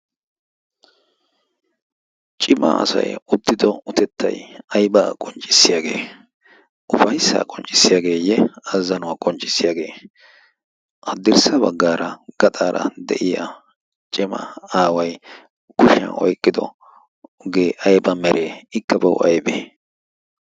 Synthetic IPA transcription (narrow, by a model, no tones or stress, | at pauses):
t͡ʃʼɪmɐ̰ɐ̰sɐ̰jʊd̪ːɪd̪ɔʊt̪ɛt̪ʰːɐ̰jɐjbaːkʼɔnt͡ʃʼɪsːɪjaɡe̞ː | ʔʊfɐjsːa̰ːkʼɔnt͡ʃʼɪ̥sːɪjaːɡe̞ːjɛɐzːɐnʊwakʼɔnt͡ʃʼɪ̥sːɪjaɡeː | ʔɐd̪ɪɾsɐbɐɡːaːɾɐɡ̥ɐt̪ʼaːɾʔɐ̰d̪ɛ̰ʔɪjɐ | t͡ʃʼɪmɐ̰aːwɐj | kʊʃɐ̰ɔ̰jkʼːɪd̪ɔ̰ | ɡeːʔɐjbɐmɛɾʔe̞ːɪkːɐbɐwʔɐjbeː